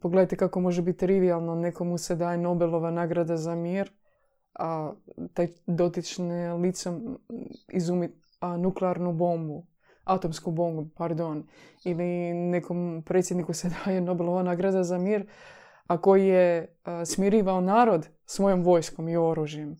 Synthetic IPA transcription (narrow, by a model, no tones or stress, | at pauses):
poɡled̪ajt̪ekakomo̞ʒebit̪t̪ːɾiʋialˠnonekomused̪aːjeno̞belˠo̞ʋanaɡɾad̪azamiːɾ | at̪ajd̪o̞t̪it͡ʃnelit̪se | izumi | nukleaɾnubo̞mbu | at̪omskubo̞mbupaɾd̪onilinekompɾet̪sje̞d̪nikused̪aːjeno̞belˠo̞ʋanaɡɾad̪azamiːɾ | akojije | smiɾiːʋaonaːɾo̞d̪ | sʋo̞jo̞mʋo̞jsko̞mio̞ɾuʒijem